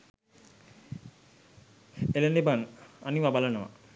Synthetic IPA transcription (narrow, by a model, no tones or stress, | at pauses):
elenebaŋaniʋabalənəʋa̰